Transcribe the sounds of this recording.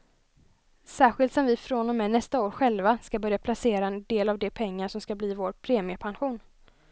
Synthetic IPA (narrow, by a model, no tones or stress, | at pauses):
sæːɾɧɪlt̪sɔmvɪfɾɔnɔmːɛnɛst̪aoːɾɧɛlvaskabœɾjapʰlaseːɾaɛnd̪eːlavd̪ɛpʰɛŋːaʂɔmskabliːvoːɾpʰɾeːmɪəpʰanɧuːn